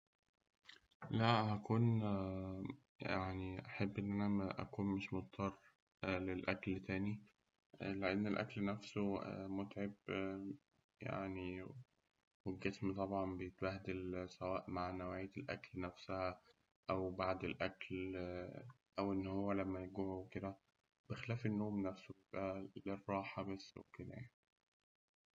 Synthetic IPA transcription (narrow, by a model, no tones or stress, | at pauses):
læhækuːn | jaʕniʔæħebːʔenːʔænææʔæ̰kuːnmeʃmot̪̚ˤt̪ʰˤːɑrˤː | lelʔæklt̪æːni | leʔenːelʔæ̰klnæfsomot̪ʕeb | ja̰ʕni | welɡesmt̪ˤɑbʕɑmbejet̪̚bæhd̪elsæwæːʔmaʕnæwʕeːt̪elʔæ̰klnæfsæhæ | ʔæwbaʕd̪elʔækl | ʔæwʔenːhowːælæmːæjeɡoʕowked̪æ | b̥exelæːfenːoːmnæfsobejebʔælerˤːɑːħɑbesːo̰kelæ̰jai